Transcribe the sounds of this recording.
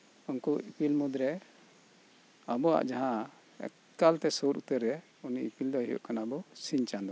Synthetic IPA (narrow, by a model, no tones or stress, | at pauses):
unkuipilmud̪ɾɛ | abɔa̰ʔd͡ʒaɦã̰ | kalt̪ɛsɔɾut̪əɾːɛ | unḭʔipild̪ɔɦijɔ̰ʔkanabɔsiɲt͡ʃand̪ɔ